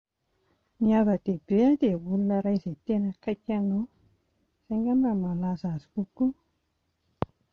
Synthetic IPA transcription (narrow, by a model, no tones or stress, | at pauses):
miavəd̪̥ebead̪ewulunəɾajzejt̪enəkajkʲano | z̥aŋɡamramalazazi̥kuku